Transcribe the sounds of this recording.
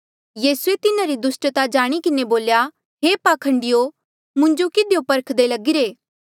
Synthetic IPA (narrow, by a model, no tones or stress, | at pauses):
jiːsuet̪ɪnaɾid̪ʊsʈt̪ad͡ʒaːɽ̃ikɪneboːlja | ɦeːpaːkʰə̃ɳɖɪjo | mʊ̃ɲd͡ʒokɪd̪ʱjopɐɾkʰd̪elɐɡɪɾeː